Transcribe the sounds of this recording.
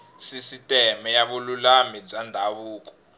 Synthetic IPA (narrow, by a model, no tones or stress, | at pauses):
sisitʼɛmɛjaβululamib͡ʐandʱaβuːkɔ̥